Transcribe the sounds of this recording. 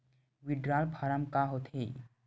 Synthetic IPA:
ʋɪɖɾaːlpʰaɾəmkaɦot̪ʰe

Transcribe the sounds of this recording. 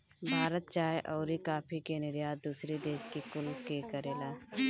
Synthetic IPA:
bʱaːɾət̪̚t͡ʃaːjʔɔːɾikaːpʰikenɪɾjaːd̪uːsɾid̪eːʃkikʊlkekəɾeːlaː

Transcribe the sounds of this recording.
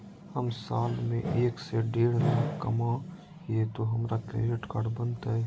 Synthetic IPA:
həmsaːlmẽʔeːkseɖeːɽ̤laːkːə̰ma | jet̪oɦɐmɾakɾḛːɾeʈkaːɖbənt̪aɦɛ

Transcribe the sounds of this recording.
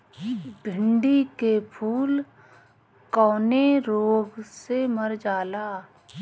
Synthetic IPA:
bʱɪɳɖikepʰuːl | kɔːneɾoːɡseməɾd͡ʒaːlaː

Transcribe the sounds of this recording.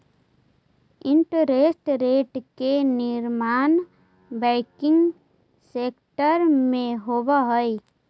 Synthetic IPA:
ɪ̃ɳʈəɾesʈɾeːʈkenɪɾmaːn | bɛːkɪ̃ŋɡ | seːkʈəɾmẽɦobaɦəi

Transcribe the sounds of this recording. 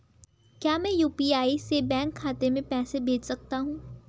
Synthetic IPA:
kjaːmɛ̃ːjuːpiaːisebɛ̃ːŋkʰːaːt̪emẽpɛːsebʱeːd͡ʒsɐk̚t̪aɦũː

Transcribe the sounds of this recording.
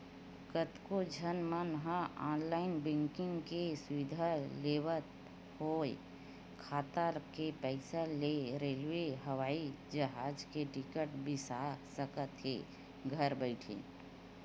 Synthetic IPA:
kət̪kod͡ʒʱənmənɦəaːnlaːɪnbɪ̃ŋkɪŋɡkesʊʋɪd̪ʱaleːwət̪ | hoːe | kʰaːt̪akepɛɪsəleɾeːlʋeɦəʋaːid͡ʒəɦaːd͡ʒkeʈɪkəʈbɪsasəkət̪ɦe | ɡʱəɾbəɪʈʰḛ̃ː

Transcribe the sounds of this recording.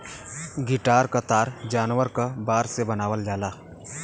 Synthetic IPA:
ɡɪʈaːɾkət̪aːɾd͡ʒaːnʋəɾkəbaːɾsebɐnaːʋəld͡ʒaːlaː

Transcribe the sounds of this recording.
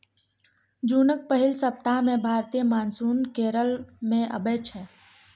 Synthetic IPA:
d͡ʒunək̚pəɦilsəp̚t̪amẽbʱaːɾt̪ijəmaːnsuːnkeːɾəlmẽʔə̰bet͡ʃʰɛ

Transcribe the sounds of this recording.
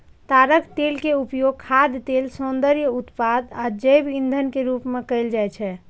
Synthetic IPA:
t̪aɾəkt̪elkeupjoɡ̚kʰad̪t̪elsond̪əɾjəut̪pad̪ad͡ʒəjbind̪ʱənkeɾupmekəɪld͡ʒajt͡ʃʰɛ

